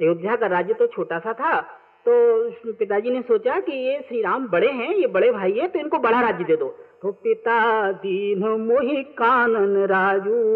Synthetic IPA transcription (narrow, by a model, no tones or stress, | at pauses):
eʊd̪ːakaɾaːd͡ʒjət̪ot͡ʃʰoːʈaːsat̪ʰa | t̪oːpɪt̪ad͡ʒiːnesoːt͡ʃakijeʃɾiːɾaːmbɐɽeɦɛ̃jebɐɽebʱaːiɦɛ̃t̪oɪnkobɐɽ̤aɾaːd͡ʒjəd̪eːd̪oːt̪opɪt̪ad̪iːnmoːɦikaːnənɾaːd͡ʒuː